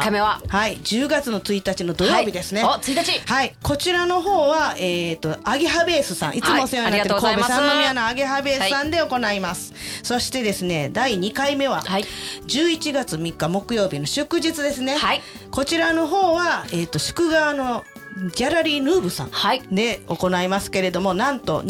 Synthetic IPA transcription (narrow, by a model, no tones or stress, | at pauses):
kaeahaid͡ʑɨːɡat͡sɨno̞t͡sɨit̪at͡ɕino̞d̪o̞jo̞ːbʲid̪e̞sɨnet͡sɨit̪at͡ɕihaiko̞t͡ɕiɾano̞ɦo̞ːβaeːt̪ːo̞aɡeɦabe̞ːsɨsã̰ʔit͡sɨmosejoɲnaktekoːbesanomʲianoaɡeɦabe̞ːsɨsãnd̪e̞o̞ko̞naimasɨ̥so̞ɕi̥t̪e̞d̪e̞sɨne̞d̪aiɲ̟ikaime̞βa̰d͡ʑɨːit͡ɕiɡat͡sɨmʲikːamo̞kɯ̟jo̞ːbʲino̞ɕɨkɯ̟ʑit͡sɨd̪e̞sɨne̞ai | ko̞t͡ɕiɾano̞ɦo̞ːβae̞ːt̪ːo̞ɕɨ̥kɯ̟ɡaβano̞ | ɡʲaɾaɾʲiːnɯ̟ːbɯ̟sã̰ad̪e̞o̞ko̞naimasɨ̥ke̞ɾe̞d̪o̞mo̞nãnt̪o̞̰